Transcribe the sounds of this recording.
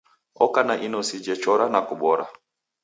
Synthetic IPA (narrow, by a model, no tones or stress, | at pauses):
ɔkanaʔinɔsid͡ʒɛt͡ʃɔɾanakuɓɔɾa̰